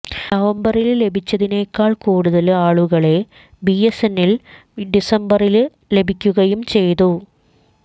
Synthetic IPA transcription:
nɐʋɐmbɐrille̞bʱit͡ɕːɐðine̞ːkːaːɭkuːɽuðɐlaːɭuɣɐɭe | biesenːil | ɖisɐmbɐril | le̞bʱikʲːuɣɐjumt͡ɕe̞jt̪u

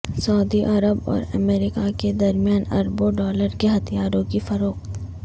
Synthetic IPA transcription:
sɐːd̪iʔɐɾəbɔ̰ːɾɐ̰meːɾɪkaked̪ɐɾmijaːnɐ̰ɾboɖɔːləɾkeɦɐt̪ʰjaːɾõkifɐɾoːqt̪

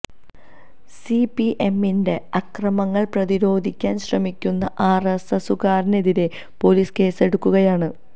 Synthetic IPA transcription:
sipiʔe̞mːinde̞ɐkrɐmɐŋːɐɭprɐðiɾo̞ːd̪ʱikʲːaːnɕrɐmikʲːunːɐʔaːresɐsuɣaːɾne̞ðiɾe̞ | po̞liːske̞ːse̞ɽukːuɣɐjaːɳɨ

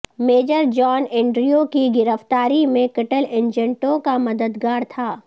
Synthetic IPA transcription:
meːd͡ʒəɾd͡ʒɔːnɛ̃ːɳɖɾijokiɡɪɾəft̪aːɾimẽkɐʈəlẽːnd͡ʒɛ̃ɳʈõkamɐd̪əd̪ɡaːɾt̪ʰaː

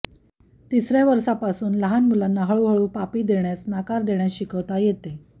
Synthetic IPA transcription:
t̪isɾjaʋəɾsapasuːnləɦanmulanːaɦəɭuɦəɭuːpapiːd̪eɳjasnakaɾd̪eɳjaɕikəʋt̪ajet̪e

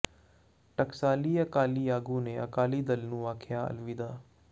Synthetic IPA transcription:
ʈəksaːliːəkaːliːjaːɡuːneːə̰kaːliːd̪əlnũːaːkʰjaːə̰lʋiːd̪aː

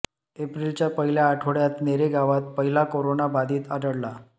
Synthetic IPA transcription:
epɾilt͡ɕjapəɦiljaːʈʰoɽjat̪neɾeɡaʋat̪̚pəɦilakoɾonabad̪iːt̪aɖəɽla

